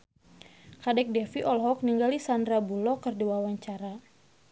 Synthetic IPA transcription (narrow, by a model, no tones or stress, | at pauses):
kadɛk̚dɛfiʔɔlɦɔk̚niŋɡalisandɾabulɔkərdiwawaɲt͡ʃaɾa